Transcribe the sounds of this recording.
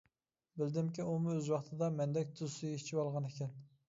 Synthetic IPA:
bɪld̪ɪmkʲiumuøzwɑχt̪ʰɨd̪ɑmɛnd̪ɛk̚ʲt̪ʰuzsuɡit͡ʃʰiwɑlˠʁɑnekʲʰɛn

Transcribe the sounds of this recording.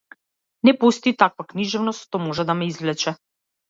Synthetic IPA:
nɛpust̪it̪akvakniʒɛvnɔst̪ʃt̪ɔmɔʒɛd̪amɛizvlɛt͡ʃɛ

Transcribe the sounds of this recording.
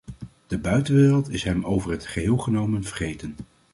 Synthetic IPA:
d̥əbœɥtənʋɪːrəlˠtɪsɦɛmowvəɹɦətχəɦɪːlˠχənowmənv̥əɹχejtən

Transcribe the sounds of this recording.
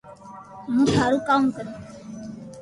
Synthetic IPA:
mũːsaːɾũkamkəɾĩ

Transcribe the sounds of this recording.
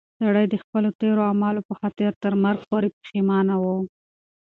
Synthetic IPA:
saɽəjd̪əxpəlot̪eɾoamɑlopəxɑt̪ɪɾt̪əɾmaɾɡpoɾepə̥ximɑnawo

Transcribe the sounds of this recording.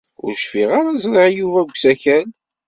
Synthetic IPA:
ʊ̰ɾʃfiʁaɾazɾˤəʕjuvæɡʷsæçæn

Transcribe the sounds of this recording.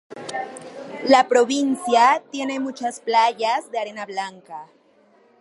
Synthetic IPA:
lapɾo̞βinsjat̪je̞ne̞mut͡ʃasplaʝazðe̞aɾe̞naβlaŋka

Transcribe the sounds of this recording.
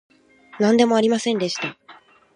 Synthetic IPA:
nãnd̪e̞moaɾʲimasẽ̞nd̪e̞ɕi̥t̪a

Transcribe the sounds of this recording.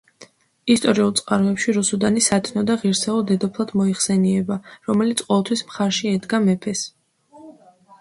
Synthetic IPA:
ist̪ʼɔɾiulˠt̪sʼqʼaɾɔɛpʃiɾusud̪anisat̪ʰnɔd̪aʁiɾsɛulˠd̪ɛd̪ɔpʰlˠad̪̥mɔiχsɛniɛbaɾɔmɛlit̪sʰqʼɔvɛlˠt̪ʰwismχaɾʃiɛd̪ɡamɛpʰɛs

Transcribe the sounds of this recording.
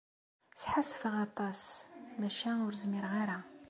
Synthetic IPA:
sħasfiʁɑt̪ˤɑsmæʃæʊɾzmiɾʁaɾa

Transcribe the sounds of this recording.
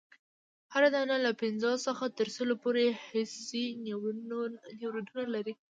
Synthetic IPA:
haɾad̪analapɪnzɑsəxat̪əɾsəlopoɾehɪsi | newɾed̪unalaɾi

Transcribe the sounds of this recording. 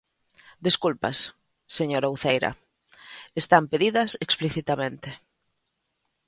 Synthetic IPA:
d̪iskulpɐ̰s | seɲoɾauθejɾɐ̰ | est̪ampeðiðɐsekspliθit̪amẽnt̪e

